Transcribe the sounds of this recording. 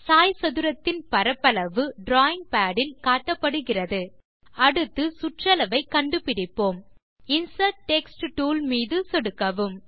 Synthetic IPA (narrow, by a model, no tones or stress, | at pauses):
saːjsɐðɯɾɐt̪ːɪnpɐɾɐpːɐlɐʋɯɖɾaːɪŋɡ̚paːɽɪnkaːʈːɐpːɐɽɯɣɪrɐðɯ | ɐɽɯt̪ːɯsʊʈrɐlɐʋɐɪkːɐɳɖɯpɪɽɪpːoːm | ɪnsɐɾʈʈɛksʈʈuːlmiːðɯsɔɽɯkːɐʋɯm